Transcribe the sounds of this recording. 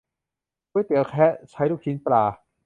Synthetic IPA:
ku˧˥˨jt̪i˨˦əwkʰɛ˦˥t͡ɕʰa˦˥jɾu˧˩k̚ʰi˦nplaː˧˩

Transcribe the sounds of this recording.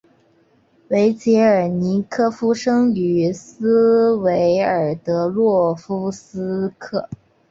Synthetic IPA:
we˧˥ɪt͡ɕjɛ˧˥ə˞˨˩ni˧˥kʰɤ˥fu˥ʂɤ˥ŋy˨˩s̩˥we˧˥ɪə˞˨˩t̪ɤ˧˥lwɔ˥˩fu˥s̩˥kʰɤ˥˩

